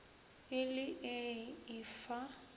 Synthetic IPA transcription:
ɪlɪʔɪɪfa

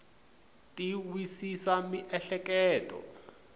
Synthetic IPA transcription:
tʼiwisisamiʔɛɬɛkɛːtʼɔ̰

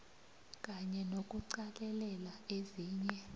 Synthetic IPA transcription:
k̬ʼaɲɛnokʼuǀalɛlɛlaeziːɲɛ

